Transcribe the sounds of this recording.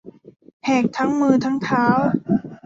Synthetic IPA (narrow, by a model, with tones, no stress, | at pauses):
hɛː˨˩k̚t̪ʰa˦˥ŋmɯː˧t̪ʰa˦˥ŋt̪ʰaː˦˥w